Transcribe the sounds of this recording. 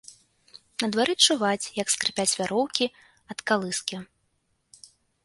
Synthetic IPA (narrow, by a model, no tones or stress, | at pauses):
nɐd̪vaɾɨt͡ʂuvat͡sʲjɐkskɾɨpʲat͡sʲvʲaɾɔwkʲi | ɐt̪kalˠɨskʲi